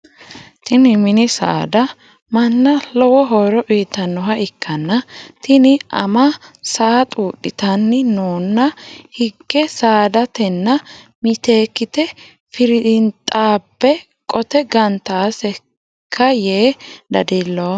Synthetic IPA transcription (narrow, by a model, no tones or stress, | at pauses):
t̪ɪnɪmɪnɪsa̰ːd̪ɐ | mɐnːɐlɔwɔɦɔːɾɔʔiːt̪ːɐnːɔɦɐɪkʰːɐnːɐt̪ɪnɪʔɐ̰mɐsaːt̪ʼuːɗɪt̪ɐnːɪnoːnːɐhɪɡːɛsaːd̪ɐt̪ɛnːɐmɪt̪e̞ːkːɪt̪ɛ | fɪɾɪɪnt̪ʼaːbːɛ | kʼɔt̪ɛɡɐnt̪aːsɛ | kʰːɐjeːd̪ɐd̪ɪlːoː